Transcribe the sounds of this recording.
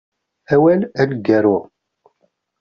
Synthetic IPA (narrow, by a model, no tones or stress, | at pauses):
æwælælɡæɾʊʁ